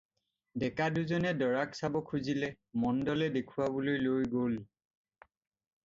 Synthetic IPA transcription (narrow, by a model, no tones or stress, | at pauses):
dɛkaduzɔnɛdɔɹaksabɔkʰuzilɛ | mɔndɔlɛdekʰuwabolojlojɡol